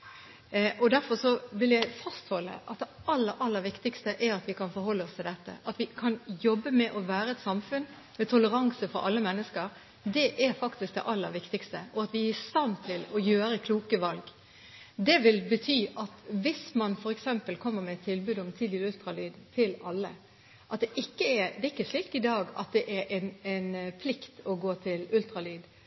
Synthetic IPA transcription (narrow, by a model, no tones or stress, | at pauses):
ʔɔd̪æɾfɔɾʂɔʋɪljæɪfɑst̪hɔlːə̰ʔɑt̪̚d̪ɛɑlːəɾʔɑlːəɾʋɪkt̪ɪkst̪əʔæɾɑt̪ʋɪkʰɑnfɔɾɦɔlːəɔst̪ʰɪld̪ɛt̪ːə̰ʔɑt̪ʋɪkʰɑnjɔbːəmɛʔɔʋæːɾəɛt̪sɑmfʉn | mɛt̪ʰʊləɾɑŋsəfɔɾɑ̰lːəmɛnːəskəɾ | d̪ɛʔæɾfɑkt̪ɪsk̚d̪ɛ̰ʔɑlːə̰ɾʋɪkt̪ɪkst̪əʔɔɑt̪ʋɪæɪst̪ɑnt̪ʰɪlɔjøːɾəkʰluːkəʋɑlɡ | d̪ɛʋɪlbət̪ʰyːʔɑt̪ʋɪsmɑnfɔɾɛksɛmpəlkʰɔmːəɾmɛt̪ʰːɪlbʉːd̪ɔmt̪ʰɪːʉlt̪ɾɑlyːd̪t̪ʰɪlɑlːə | ʔɑt̪̚d̪ɛʔɪkːəɛɾd̪ɛɪkːəʂɭiːkt̪ɪd̪ɑːɡɑ̰t̪̚d̪ɛʔɛɾʔɛɪnɛnpʰlɪkt̪ɔɡoːt̪ʰɪlʉlt̪ɾɑlyːd̪